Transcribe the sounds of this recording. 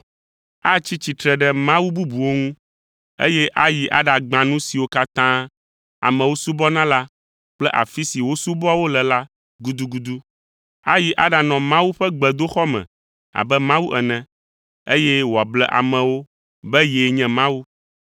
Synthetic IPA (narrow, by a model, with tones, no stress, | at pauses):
a˦t͡ɕi˦t͡ɕi˨t̪ɾɛ˨ɖɛ˦mã˦wu˦bu˦bu˨wo˦ŋũ˦ | ḛ˦jɛ˦ʔa˦ji˨ʔa̰˦ɖa˨ɡ͡bã˨nũ˦si˨wo˦ka˦t̪ã˦ | a̰˨mɛ̃˨wo˦su˦bɔ˦nã˦la˦ | k͡plɛ˦ʔa̰˨fi˦si˨wo˦su˦bɔ˦a˦wo˦lɛ˨la˦ | ɡu˨d̪u˦ɡu˨d̪u˦ | a˦ji˨ʔa˦ɖa˨nɔ̃˨mã˦wu˦ɸɛ˦ɡ͡bɛ˨d̪o˦xɔ˦mɛ̰̃˨ | a̰˨bɛ˦mã˦wu˦ʔɛ˨nɛ̃˨ | e˦jɛ˦wo˨a˨blɛ˦ʔa̰˨mɛ̃˨wo˦ | bɛ˦jɛ˨ɲɛ̃˦˨mã˦wu˦